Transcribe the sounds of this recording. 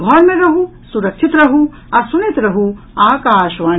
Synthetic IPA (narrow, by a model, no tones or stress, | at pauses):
bʱɔɾmẽɾɐɦu | suɾɐkʃʰit̪ɾɐɦu | ɐsunet̪ɾɐɦu | aːkaːʃʋaː